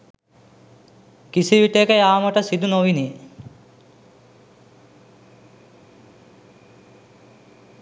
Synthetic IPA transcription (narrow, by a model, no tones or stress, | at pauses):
kisiʋiʈekəjaːməʈəsid̪unoʋini